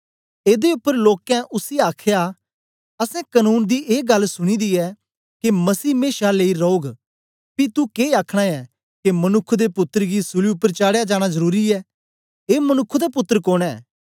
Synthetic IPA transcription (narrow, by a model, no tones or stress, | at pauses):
eːd̪eʊpːəɾloːkɛ̃ʔʊsiaːkʰja | ɐsɛ̃kɐnuːnd̪iʔeːɡɐlːsʊɽ̃id̪iɛ | kemɐsiːmeːʃaleːiɾɔoːɡ | pit̪ukeːaːkʰɽ̃aɛ | kemɐnʊkʰːʊd̪epʊt̪ːəɾɡisʊliʊpːəɾt͡ʃaːɽejad͡ʒaːɽ̃azɐɾuːɾiɛː | eːmɐnʊkʰːʊd̪epʊt̪ːəɾkoːɽ̃ɛː